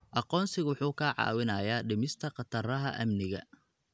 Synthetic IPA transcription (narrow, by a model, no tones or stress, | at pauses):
ʔɑqɔːnsɪɣwʊħuːkʰɐʕɑ̰ːwɪnɐːjaːɖɪmɪst̪ʰɐqɑt̪ʰɐrɐɦɐʔɐ̰mnɪɣɐ̰